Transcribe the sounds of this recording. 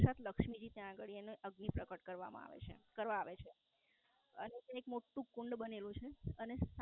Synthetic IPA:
sat̪ləkʂmid͡ʒit̪jãːɡəɭieneʔəɡnipɾəkəʈkəɾʋa̰mã̰a̰ʋḛt͡ʃʰḛkəɾʋaːʋet͡ʃʰe | ə̰net̪aekmoʈːũkuɳɖbənelũt͡ʃʰeənes

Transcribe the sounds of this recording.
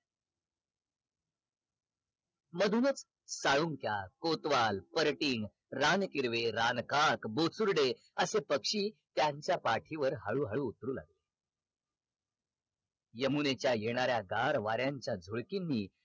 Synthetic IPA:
məd̪ʱunət͡s | saɭuŋkjakot̪ʋalpəɾʈiŋɡ | ɾankiɾʋeɾankakbot͡suɾɖe | əsepəkʂiːt̪jaɲt͡ɕjapaʈʰiʋəɾɦaɭuːɦaɭuːt̪ɾuːla̰ɡle | jəmunet͡ɕjajeɽ̃aɾjaɡaɾʋaɾjaɲt͡ɕjad͡zʱuɭkinːiː

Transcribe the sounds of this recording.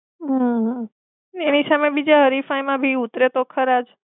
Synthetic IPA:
ɦəɦə | nenisamebid͡ʒaɦəɾifajmãbʱiut̪ɾet̪okʰəɾad͡ʒ

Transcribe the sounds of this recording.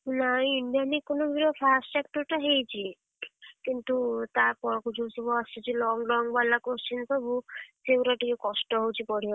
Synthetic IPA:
naĩːɳɖijanikonɔbʱiɾopʰasʈsek̚ʈɔɾʈaɦejt͡ʃʰi | kint̪ut̪aɾpɔɾkud͡ʒosubɔast͡ʃit͡ʃʰilɔŋɡɾɔŋɡbalakost͡ʃinsɔbusewɾaʈikekɔsʈɔɦowt͡ʃʰipɔɽ̤iɔ

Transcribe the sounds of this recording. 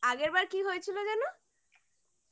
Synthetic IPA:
aɡeɾbaɾkiɦoet͡ɕʰilod͡ʑɛno

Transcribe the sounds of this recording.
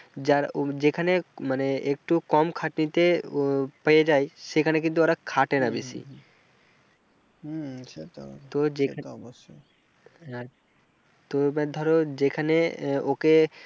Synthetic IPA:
d͡ʒaɾd͡ʒekʰanemaneek̚ʈukɔmkʰaʈnit̪e | pəjed͡ʒajʃekʰanek̬int̪uoɾakʰaʈenabesʰḭ | t̪od͡ʒekʰa | t̪omɛd̪ʱɔɾod͡ʒekʰaneoke

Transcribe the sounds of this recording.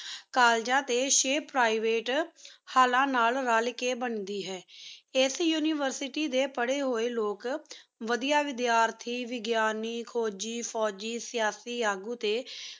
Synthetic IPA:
kaːld͡ʒãːt̪eːʃeːpɾaːiʋeːʈhaːlãːnaːlɾaːlɪkeːbənd̪iːɦɛːɪsjuːniːʋəɾsɪʈiːd̪eːpəɽeːɦoːeːloːkʋəd̪ijaːʋɪd̪jaːɾt̪ʰiːʋɪɡjaːniːkʰoːd͡ʒiːpʰɔːd͡ʒiːsɪjaːsiːaːɡuːt̪eː

